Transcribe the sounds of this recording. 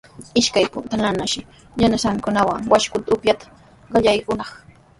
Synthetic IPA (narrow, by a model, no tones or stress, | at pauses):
ɪʃkajpʊnt̪alanaʃɪ | ʎanaʃaŋkʊnawaŋwaʃkʊt̪aʊpjat̪ḁ | ɢɑʎajkʊnɑχ